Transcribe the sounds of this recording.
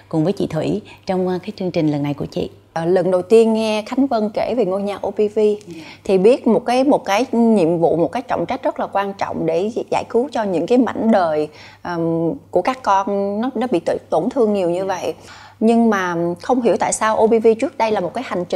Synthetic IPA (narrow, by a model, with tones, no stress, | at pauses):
kʊ˨˩ŋ͡mvəː˨˦jt͡ɕḭ˧˨t̪ʰwi˧˩˦t͡ɕɔ˧wŋ͡mkaː˨˦jt͡ɕɨ˧əŋt͡ɕï˨˩ŋ̟lə˨˩nːa˨˩jku˧˩ət͡ɕḭ˧˨˩ | lə˨˩nɗə˨˩wt̪i˧ənɛ˧xa˨˦ŋ̟və˧nke˧˩ve˨˩ŋo˧jɲaː˨˩ʔo˧pi˧vi˧t̪ʰi˨˩ɓi˦˥ət̚mo˨˩t̚kaː˨˦jmo˨˩t̚kaː˨˦jɲḭ˧˨əmvṵ˧˨mo˨˩t̚kaː˦˨˦jk̚t͡ɕɔ̰˧˨wŋ͡mt͡ɕa˦˥k̟̚z̥ə˦˥t̚laː˨˩kwaː˧nt͡ɕɔ̰˧˨wŋ͡mɗe˧˩za̰ː˧˩jxu˨˦t͡ɕɔ˧ɲɨ̰˧˥ŋkaː˨˦jma̰˧˩jŋ̟ɗəː˨˩j | ʔːku˧˩əkaː˦˥kːɔ˧nnɔ˨˦nɔ˨˦ɓḭ˧˨t̪ɨ˧˨t̪o˧˩nt̪ʰɨ˧əŋɲi˨˩əwɲɨ˧və̰˧˨j | ɲɨ˧ŋmaː˨˩xə˧wŋ͡mɦi˧˩əwt̪a̰ː˧˨jsaː˧wʔo˧ɓi˧vi˧t͡ɕɨ˦˥ək̚ɗə˧jlaː˨˩mo˨˩t̚kaː˨˦jha˨˩ŋ̟t͡ɕi˨